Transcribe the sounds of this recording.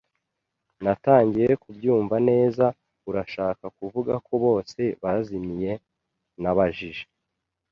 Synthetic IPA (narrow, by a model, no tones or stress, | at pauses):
nataːɲɟije̞kubjuːɱvane̞ːza | uɾaʃaːkakuvuɡako̞βo̞ːse̞βazimije̞ | naβaʒiʒe̥